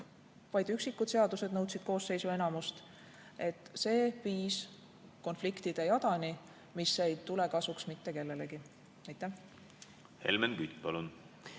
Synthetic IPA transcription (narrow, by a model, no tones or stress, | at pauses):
vɑjd̪yksikːˑud̪̥se̞ɑd̪use̞d̪nɤwt̪sid̪̥ko̞ːsːe̞jsue̞nɑmust̪ | e̞t̪ːˑse̞ːpiːs | ko̞nflikt̪id̪̥e̞jɑd̪ɑnʲi | misːejt̪ule̞kɑsuksmit̪ːe̞ke̞lːe̞le̞ɡ̥i | ɑjt̪ːˑæh | he̞̰lmenkyt̪pɑlun